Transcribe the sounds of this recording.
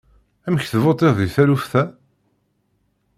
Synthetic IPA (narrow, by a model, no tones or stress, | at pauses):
æməçθvot̪ˤeððiθælufθæ